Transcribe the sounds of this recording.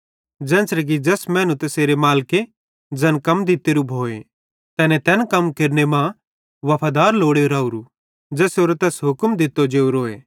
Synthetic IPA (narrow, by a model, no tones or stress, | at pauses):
d͡ʒɛ̃ːnsɾɛk̬id͡ʒɛsmɛ̃ːnũt̪ɐseːɾemaːlke | d͡ʒɐɛnkɐmd̪ɪt̪ːeɾubʱoːe | t̪ɛːnet̪ɛːnkɐmkeɾnemã | ʋɐpʰaːd̪aːɾloːɽeoɾaːuɾu | d͡ʒɛːsoːɾt̪ɛːsɦʊkmd̪ʱɪt̪ːod͡ʒeːuɾoːeː